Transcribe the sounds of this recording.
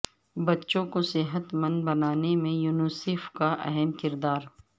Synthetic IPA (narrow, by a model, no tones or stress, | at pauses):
bɐtːʃõkosɪɦət̪mɐ̃nd̪̚bɐnaːnemẽjuːnuseːfkaʔɛ̰ɦɛmkɪɾd̪aːɾ